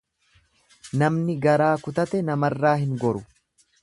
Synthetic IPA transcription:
nɐmnɪɡɐɾaːkʊt̪ɐt̪ɛnɐmɐrːaːhɪŋɡɔɾʊ

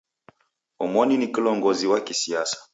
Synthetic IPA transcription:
ɔmɔninikilɔŋɡɔziwakisiasḁ

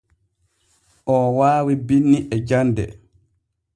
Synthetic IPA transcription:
ʔɔwaːwibinːiʔɛd͡ʒandɛ̰

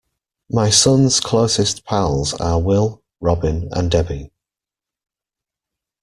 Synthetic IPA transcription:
maɪsʊ̃nz̥kʰl̥oʊsɪspʰalˠzəwɪlˠ | ɹɒbɪ̃nə̰̃ndɛbi

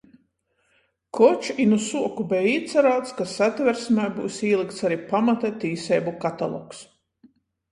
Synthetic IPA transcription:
kʰɔt͡ʃinusuɔkubɛiːt̪sʲaɾaːt̪skasat̪ʲvɛɾsmɛjbuːsiːlˠikt̪saɾipamat̪ɛt̪iːsɛjbukat̪a̰lˠɔ̰ks

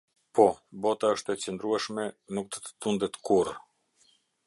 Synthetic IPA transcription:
pɔbɔt̪aəʃt̪ɛt͡sɛnd̪ɾuɛʃmɛnuk̚d̪ət̪ə̥t̪und̪ɛt̪kuɾ

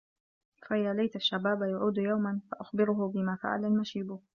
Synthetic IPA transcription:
faʔɪðaːlajt̪aʃːabaːbajaʕuːd̪jawmanfaʔaxbɪɾʊɦʊbɪmaːfa̰ʕa̰lalmaʃiːbʊ

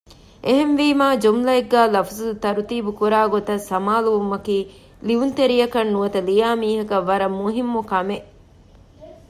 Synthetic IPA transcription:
ʔeɦenʋiːmaːd͡ʒomlɐeɡːæːlɐfɐzuut̪ɐɾut̪iːbukuɾaːɡot̪ɐsɐmaːluʋumɐkiː | liunt̪eɾijɐkɐnːuʋɐt̪ɐlijaːmiːɦɐkɐʋːɐɾɐmːuɦimːukɐme

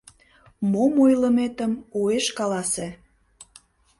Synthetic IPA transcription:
momojlə̆met̪əmueʃkɑlɑse

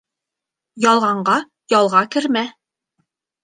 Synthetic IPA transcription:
jɑlˠʁɑɴɢɑ | jɑlˠʁɑkɘ̆ɾmæ

